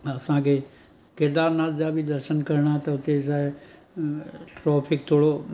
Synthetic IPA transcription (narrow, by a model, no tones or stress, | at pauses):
ɐsãke | kɪɾd̪aːɾnat̪d͡ʒabʱid̪əɾʃənkəɾɳat̪ɐʊt̪et͡ʃaːe | ʈɾɔːpʰɪkt̪ʰoːɽo